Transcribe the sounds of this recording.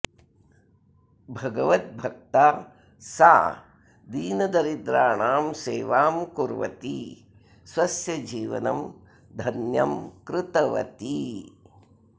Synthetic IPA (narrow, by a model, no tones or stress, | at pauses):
bʱɐɡɐʋɐt̪̚bʱɐk̚t̪aː | sa̰ː | d̪iːnɐd̪ɐɾid̪ɾaːɳaːmseːʋaːmkuɾʋɐ̰t̪i | swɐsjɐd͡ʒiːʋɐ̰nɐm | d̪ʱɐnjɐmkɾɪt̪ɐʋɐ̰t̪i